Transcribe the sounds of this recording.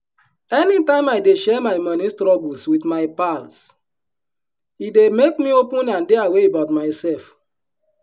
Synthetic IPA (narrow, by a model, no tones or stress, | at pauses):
ɛnitãɪ̃maɪdeʃɛmaɪmɔnistɾɔɡul̩switmaɪpals | idemek̚miopũnãndeaweebaʊtmaɪsɛlf